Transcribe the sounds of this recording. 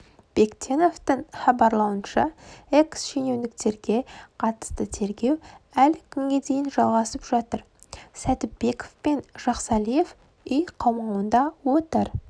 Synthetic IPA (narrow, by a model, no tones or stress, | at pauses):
b̥ekt̪ʲʰeno̞ft̪əɴχɑbɑɾlˠɑwənʃɑe̞ksʃene̞wnɪk̚t̪e̞ɾɡʲe̞qʰɑt̪ə̥st̪ət̪ʰe̞ɾɡʲe̞wælkʲʰʏŋɡʲe̞d̪e̞jɪnʒɑlˠʁɑsəpʒ̥ɑt̪əɾ | sæt̪ɪpb̥e̞ko̥fpe̞nʒ̥ɑqsɑlˠije̞f | ijqʰɑwmɑwənd̪ɑwo̞t̪əɾ